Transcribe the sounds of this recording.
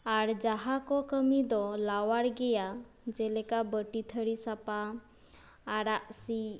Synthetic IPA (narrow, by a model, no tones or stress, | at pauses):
aɾd͡ʒaɦakɔkəmid̪ɔlawaɽɡɛja | d͡ʒɛlɛkabəʈit̪ʰəɽisapaː | ɾaʔsi